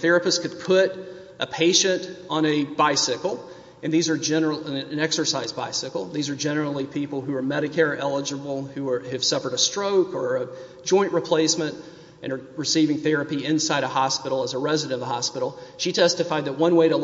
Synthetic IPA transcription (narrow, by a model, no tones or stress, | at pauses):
θɛɹɨpɨstkʰɨd̚pʰʊɾ | ʔəpʰeɪʃɨ̃ntn̩ɨbaɪsɪkl̩ˠ | ɨ̃nðizə˞d͡ʒɛnə˞l̩ˠɨ̃nɛksə˞saɪzbaɪsɪkl̩ˠðizə˞d͡ʒɛnə˞l̩ˠipʰipl̩ˠɦʉə˞mɛɾɨkʰɛɹiʔɛlˠəd͡ʒɨbl̩ˠhʉ˞ɨv̥sʌfə˞ɾɨstɹ̥oʊkə˞ə | d͡ʒɔ̃ɪ̃nʔɹipʰl̥eɪsmɨ̃nt | ʔɨ̰̃ñə˞ɹɨsivɪ̃ŋθɛɹɨpiɪ̃nsaɪɾəhɑspɪɾl̩ˠəzəɹɛzɨɾɨ̃nʌðəɦɑspɪɾl̩ˠʃitʰɛstɨfaɪd̪̚ðət̚wʌ̃nweɪɾə